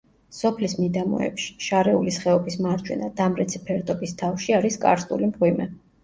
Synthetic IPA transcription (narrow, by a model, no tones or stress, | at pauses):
sɔpʰlismid̪amɔ̰ɛ̰pʃi̥ʃaɾɛulisχɛɔbismaɾd͡ʒʼwɛ̰nad̪amɾɛt̪sʰi̥pʰɛɾt̪ʼɔbist̪ʰafʃiaɾiskʼa̰ɾst̪ʼṵlimqʼwimɛ